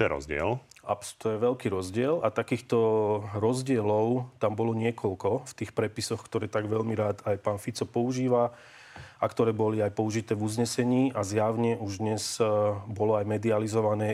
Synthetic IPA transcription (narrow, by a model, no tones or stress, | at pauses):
tt̪ɔɛɾɔ̰zɟɪɛ̰la̰pt̪ɔjɛʋɛlkiːɾɔzɟɪɛlat̪akiːxt̪ɔɾɔzɟɪɛlɔʊt̪ambɔlɔɲɪɛkɔlkɔft̪iːxpɾɛpisɔxkt̪ɔɾɛːt̪aɡʋɛʎmiɾaːt̪ajpaːnfit͡sɔpɔuʒiːʋa | akt̪ɔɾɛːbɔliajpɔuʒit̪ɛːvuzɲɛsɛɲiːʔazjaʊɲɛʔuʒd̪ɲɛzbɔlɔajmɛd̪ializɔʋanɛː